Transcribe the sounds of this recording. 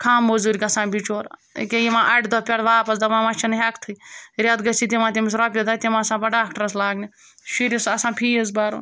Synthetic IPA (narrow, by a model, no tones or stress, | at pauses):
kʰaːmːozuɾʲikɐsãːbit͡ʃoːɾ̰kʲejimãːʔɐʈd̪oːpʲɐɽʋaːpɐsd̪ɐmaːmɐt͡ʃʰɐnɐɦʲɐkt̪ʰujɾʲaːd̪ɡɐsit̪imãːt̪ʲimis̬ɾɐːp̬ʲjed̪aːt̪ʲemãːsãːbɐɖaːkʈɐɾɐslaːɡni | ʃiɾisɐsãːpʰiːɐzbaːɾo̰ː